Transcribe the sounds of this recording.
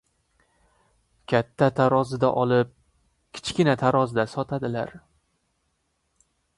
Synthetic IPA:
kʲʰat̪ʰːat̪ʰaɾɒzɪd̪a̰ʔɒlˠɪp̚ | kʲʰɪ̥t͡ʃkʲɪnat̪ʰaɾɒzɪd̪asɒt̪ʰad̪ɪla̰ɾ

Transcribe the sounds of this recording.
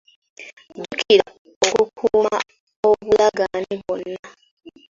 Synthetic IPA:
ɟukʰiɾa | okukʰuːma | o̞βulaɡaniβwonːa

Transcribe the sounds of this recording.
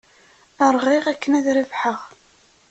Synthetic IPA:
əɾˤʁiʁækːənæðɾivħəʁ

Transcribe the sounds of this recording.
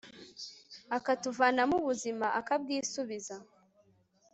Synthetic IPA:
akatuvaːnamuβuzimaʔakab̚ɡiːsuβiza

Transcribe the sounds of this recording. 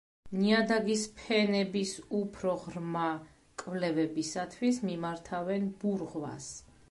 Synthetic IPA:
niad̪aɡispʰɛnɛbisupʰɾɔʁɾma | kʼvlɛvɛbisat̪ʰwismimaɾt̪ʰavɛnb̥uɾʁwa̰s

